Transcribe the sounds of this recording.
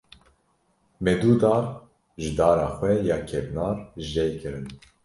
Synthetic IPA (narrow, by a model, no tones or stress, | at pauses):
mɛd̪uːd̪ɑːɾ | ʒɨd̪ɑːɾɑːxʷwɛjɑːkʰɛvnɑːrʒɛjkʰɨɾɨn